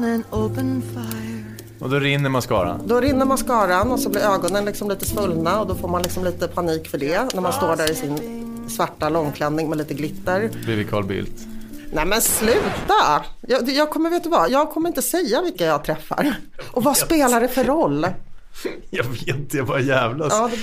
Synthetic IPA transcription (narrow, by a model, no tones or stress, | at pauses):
ɛnoʊpənfaj | ɔd̪ɔɾɪnːəɾmanskɑ̰ːɾa̰nd̪ɔɾɪnːəɾmanskɑːɾanɔsɔblɪɾøːɡɔnənlɪksɔmliːt̪əsfɵlnaɔd̪ɔfoːɾmanlɪksɔmliːt̪əpʰaniːkfœɖɛnæɾmanst̪oːɖæɾɪsɪn | svaʈːalɔŋːkʰlɛnːɪŋmɛliːt̪əɡlɪt̪ːəɾblɪvɪkʰɑ̰ːlbɪ̰lt̪nɛmɛnslʉ̟ːt̪ajɑːjɑːɡ̚kʰɔmːəɾveːt̪d̪ʉvajɑːɡ̚kʰɔmːɾɪnt̪əsɛjːavɪlkːajɑɡ̚t̪ʰɾɛfːa̰ɾʔɔvaspeːlaɖɛfœɾɔlː | jɑveːt̪javajæːvlajʔɑːd̪ɛ